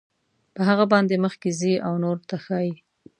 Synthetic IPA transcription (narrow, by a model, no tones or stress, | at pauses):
pəɦaɣabɑnd̪eməxkeziʔawnoɾt̪axɑji